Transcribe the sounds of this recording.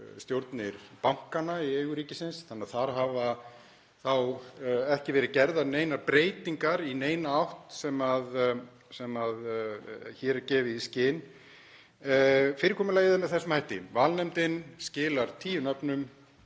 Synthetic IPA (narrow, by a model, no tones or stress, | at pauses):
st̪jowɾt̪nɪɾ̥pawŋ̥kanːaieːɣʏɾiːcɪsɪnsθanːaðθaɾ̥ɦava | θawɛhcɪvɛːɾɪðcɛɾðaneːjnaɾpɾeːjt̪iŋkaɾineːjnaawht̪sɛmað | sɛmað | çɛːɾcɛːvɪðiscɪːn | fɪːɾɪkʰɔːmʏlaːjɪðɪnaθɛsʏmhajht̪ɪ̰vaːlnɛmt̪ɪnscɪːlaɾt̪ʰiːjʏnœpnʏm